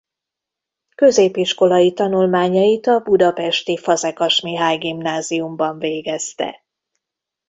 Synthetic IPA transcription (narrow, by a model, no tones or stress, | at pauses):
kø̞zeːpiʃko̞lɒjit̪ɒnulmaːɲɒjit̪ɒbud̪ɒpɛʃt̪ifɒzɛkɒʃmiɦaːjɡimnaːziumbɒɱveːɡɛst̪ɛ̰